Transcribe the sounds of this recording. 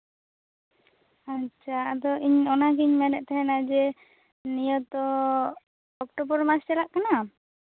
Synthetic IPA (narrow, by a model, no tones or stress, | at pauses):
at͡ʃʰaad̪ɔiɲɔnak̬iɲmɛnɛʔ̚t̪ɛɦɛnad͡ʒɛ | nijɔt̪ɔ | ɔkʈɔbɔɾmast͡ʃɛlaʔkana